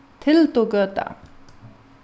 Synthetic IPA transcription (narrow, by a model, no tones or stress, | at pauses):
t̪ʰelt̪oɡət̪a̰